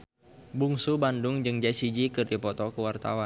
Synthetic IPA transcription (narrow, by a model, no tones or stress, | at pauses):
buŋsubandʊŋd͡ʒɨŋd͡ʒasid͡ʒikɨrdipɔt̪ɔkəwart̪a̰wan